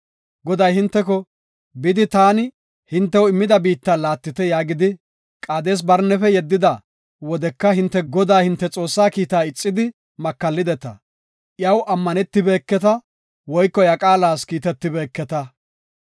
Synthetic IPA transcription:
ɡɔd̪ɐjhɪnt̪ːɛkɔ | bɪd̪ɪt̪aːnɪ | hɪnt̪ːɛwɪmːɪd̪ɐbiːt̪ːɐlaːt̪ːɪt̪ɛjaːɡɪd̪ɪ | kʼaːd̪e̞ːs̬bɐɾnːɛfɛjɛd̪ːɪd̪ɐ | wɔd̪ɛkːɐɦɪnt̪ːɛɡɔd̪aːhɪnt̪ːɛt͡sʼo̞ːsːaːkiːt̪aːɪt͡sʼːɪd̪ɪ | mɐkːɐlːɪd̪ɛt̪ɐ̰ | ʔjɐwʔɐmːɐnɛt̪ːɪbe̞ːkːɛt̪ɐ | wɔjkːɔjɐkʼaːlaːskiːt̪ɛt̪ːɪbeːkːɛt̪ɐ

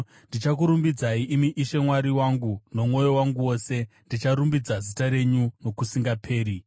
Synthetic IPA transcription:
ndit͡ʃak̬uɾumbid͡zaiʔimiʔiʃe̞mwaɾiwaŋɡuno̞mŋo̞jo̞waŋɡuwo̞se̞ndit͡ʃaɾumbid͡zazitaɾe̞ɲuno̞kusiŋɡapʰe̞ːɾi

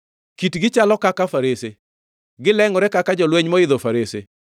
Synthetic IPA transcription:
kitɡɪt͡ʃalɔkakafaɾese | ɡɪlɛŋɔɾɛkakad͡ʒɔlweɲmɔɪðɔfaɾese

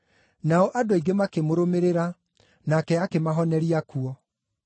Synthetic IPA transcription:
naɔʔadoiɡemakemoɾomeɾeɾa | nakɛakemaɦɔnɛɾiakuɔ

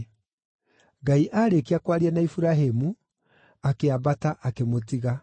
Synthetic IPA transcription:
ɡaiʔaɾekiakwaɾianaifuɾaɦemu | akeabataʔakemotiɣa

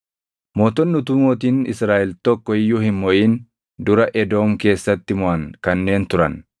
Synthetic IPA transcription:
moːt̪ɔnːʊt̪ʊmoːt̪̬iːnɪsɾaːʔɛlt̪ɔkːɔɪjːuːhɪmmɔʔiːn | d̪ʊɾɐʔɛd̪o̞ːmke̞ːsːɐt̪ːɪmʊʔɐŋkɐnːe̞ːnt̪ʊɾɐ̰n

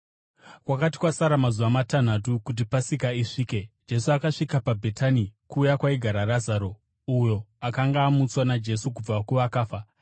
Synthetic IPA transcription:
kwakati̥kwasaɾamazuʋamatan̤atukut̬ipasikaiʂiːke̞d͡ʒe̞suakaʂikapabʱe̞tʰanikuːjakwaiɡʱaɾarazaɾo̞ | ujo̞akaŋɡaːmut͡swanad͡ʒe̞suk̬ub͡vakuʋakaːfa

